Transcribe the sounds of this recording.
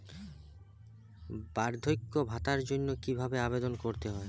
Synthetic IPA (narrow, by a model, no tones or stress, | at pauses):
baɾd̪ʱojkːobʱat̪aɾd͡ʑonːokibʱabeabed̪onkoɾt̪eɦɔe